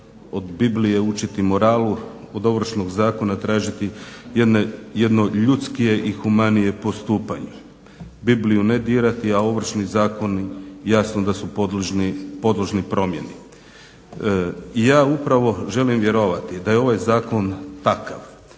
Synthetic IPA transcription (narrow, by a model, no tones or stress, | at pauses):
od̪biblije̞ut͡ʃit̪imo̞ɾaːlu | od̪o̞ʋr̩ʃnoɡzaːko̞nat̪ɾaːʒit̪ijed̪neje̞d̪no̞ʎut̪skije̞ʔixumanije̞po̞st̪uːpaɲe | biblijune̞d̪iːɾat̪iao̞ʋr̩ʃnizaːko̞nijasnod̪asup̪lʒnpo̞d̪lˠoʒnipɾo̞mjeni | ijaːupɾaʋo̞ʒe̞limʋje̞ɾo̞ʋat̪id̪ajeo̞ʋajzaːko̞nt̪aka̰ʋ